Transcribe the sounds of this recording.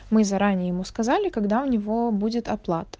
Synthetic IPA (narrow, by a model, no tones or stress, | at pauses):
mɨzɐɾanʲɪjəjɪmuskɐzalʲɪkɐɡd̪aʊnʲɪvobudʲɪt̪ɐplˠat̪ə̥